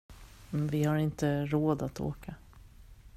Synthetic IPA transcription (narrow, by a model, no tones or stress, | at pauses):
mvɪhaɾɪnt̪əɾoːd̪at̪ʰo̰ːkʰa